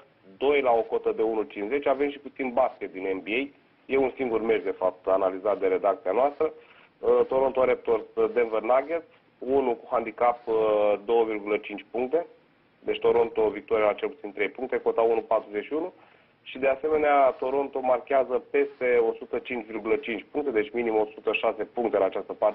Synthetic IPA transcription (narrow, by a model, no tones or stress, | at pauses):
d̪o̞jlao̞ko̞t̪əd̪e̞unut͡ʃinsze̞t͡ʃʲave̞mʃi̥put̪sinbaskʲet̪̚d̪inenbie̞j | je̞unsiŋɡurmeʒd̪e̞fap̚t̪analizat̪̚d̪e̞ɾe̞d̪ak̚t̪sianoast̪ɾə | t̪o̞ɾo̞nt̪oɾep̚t̪o̞rsd̪enverlaɡet̪ | unukuhand̪ikapd̪o̞wəvirɡulət͡ʃint͡ʃʲpuŋk̚t̪e̞ | d̪e̞t͡ʃʲt̪o̞ɾo̞nt̪o̞vik̚t̪o̞ɾialat͡ʃe̞lput̪sint̪ɾe̞jpuŋk̚t̪e̞ko̞t̪aunupat̪ɾuzeʃiunu | ʃid̪e̞ase̞me̞neat̪o̞ɾo̞nt̪o̞markʲeazəpe̞st̪e̞o̞sut̪ət͡ʃint͡ʃʲvirɡulət͡ʃint͡ʃʲpuŋkt̪e̞d̪e̞t͡ʃʲminimo̞sut̪əʃase̞puŋkt̪e̞laːt͡ʃast̪əpart̪e